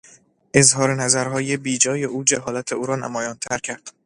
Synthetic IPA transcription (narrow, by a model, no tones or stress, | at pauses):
ʔe̞zɦɒːɾenæzæɾɦɒːje̞biːd͡ʒɒːje̞ʔuːd͡ʒæɦɒːlæt̪ʰe̞uːɾɒːnæ̰mɒːjɒːnt̪ʰæɾcʰæɾd̪̥